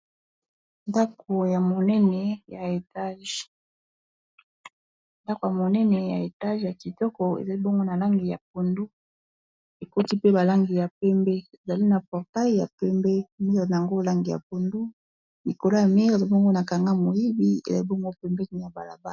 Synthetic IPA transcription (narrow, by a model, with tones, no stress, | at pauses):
nda˦ko˨ja˨mo˨nɛ˦nɛ˨ja˨e˨ta˦ʒ | nda˦ko˨ja˨mo˨nɛ˦nɛ˨ja˨e˨ta˦ʒja˨ki˨tɔ˦kɔ˨ḛ˨za˨li˦bɔ˦ŋɡo˦na˨la˦ŋɡi˨ja̰˨p̚o˨ndu˦ | e˨ko˦ti˦pe˦ba˨la˦ŋɡi˨ja˨pɛ˦mbɛ˦e˨za˨li˦na˨pɔ˨ʁta˦i˦ja̰˨pɛ˦mbɛ˦mi˦ʁe˨na˨ja˨ŋɡo˦la˦ŋɡi˨ja̰˨p̚o˨ndu˦ | mi˨ko˨lo˦ja˨mi˦ʁzbɔ˦ŋɡo˦na˨ka˨ŋɡa˦mo˨ji˦bi˦ḛ˨za˨li˦bɔ˦ŋɡo˦pɛ˦mbɛ˦ni˨ja˨ba˨la˨ba˦˨